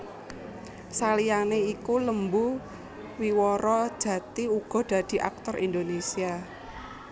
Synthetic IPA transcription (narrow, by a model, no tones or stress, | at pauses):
salijaneikuləmbu | wiwɔɾɔd̥ʒ̥ä̤t̪iuɡ̥ɔ̤d̪̥ä̤d̪̥i̤ʔa̰k̚t̪ɔrʔḭnd̪onesia